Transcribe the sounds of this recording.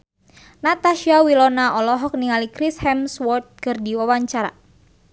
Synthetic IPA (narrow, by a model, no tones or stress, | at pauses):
nat̪aʃiawilɔnaʔɔlɔɦɔk̚niŋalikɾishɛmswɔt̪̚kɨrdiwawaɲt͡ʃaɾa̰